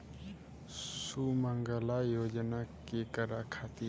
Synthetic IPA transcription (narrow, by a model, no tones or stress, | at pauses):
sumaŋɡəlajod͡ʒənakekəɾakʰat̪i